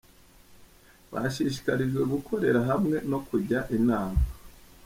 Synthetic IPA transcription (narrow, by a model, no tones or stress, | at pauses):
βa̰ʃiʃ̬i̥kaɾiʒɡwe̞ɡukʰo̞ɾe̞ɾaɦamŋe̞no̞kʰuɾɟaʔinaːmaa